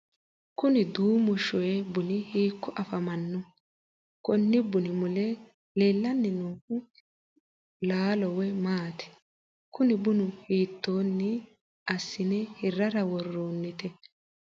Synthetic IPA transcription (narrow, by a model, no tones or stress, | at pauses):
kʊnɪd̪uːmʊʃɔjɛbʊnɪhiːkːʊʔɐfɐmɐnːɔ | kɔnːɪbʊnɪmʊlɛ | leːlːɐnːɛnuːkʊ | laːlɔwɛmaːt̪ɛ̥ | kʊnɪbʊnʊhiːt̪ːoːnːɪ | ɐsːɪnɛhɪrːɐɾɐwɔrːoːnːɪt̪ɛ